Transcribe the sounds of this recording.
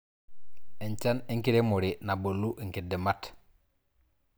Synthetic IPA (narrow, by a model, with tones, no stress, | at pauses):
eɲt͡ʃa˦ni˦ŋki˦ɾe˦muɾi˨na˨bo˨lːu˦ʔi˨ŋki˨di˨mat